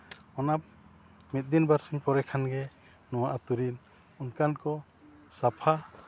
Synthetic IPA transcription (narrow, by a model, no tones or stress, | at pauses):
ɔnap̚ | mit̪̚d̪inbaɾsuɲpɔɾɛkʰanɡɛ | nɔwaʔat̪uɾin | unkankɔ | sapʰa